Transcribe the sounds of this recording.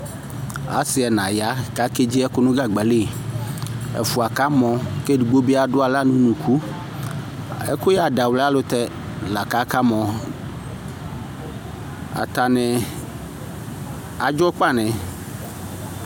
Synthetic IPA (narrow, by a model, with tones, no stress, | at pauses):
a̰˨˦si˨ɛ˨nã˨ja˨˦ka˨˦ke˦d͡ʑi˦ɛ˦ko˦nũ˦ɡa˨ɡ͡bɛ˨le˦˨ | ɛ̰˨fu˨a˨ka˦mɔ̃˨ke˦ɖu˨ɡ͡bo˦bi˦a˨ɖo˦a˨la˦nũ˦nũ˨kʰu˦ | e˦ko˦ja˨da˨wlɛ˦a˦lo˦t̪ɛ˦ | la˨ka˨˦ka˦mɔ̃˨ | a̰˨t̪a˨nɛ̃˨ | a˨d͡ʒɔ˦k͡pa˦˨nɛ̃˨